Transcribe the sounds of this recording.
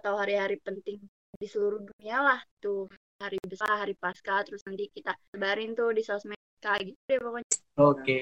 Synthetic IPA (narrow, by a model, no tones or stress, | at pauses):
at̪awɦaɾiɦaɾipənt̪ɪŋ | disəluɾuhdunialaht̪u | haɾibəsaɦaɾipaskat̪əɾʊsnənt̪ikit̪asəbaɾiŋt̪udisasmɛ | kaɡit̪udɛpokoɲoke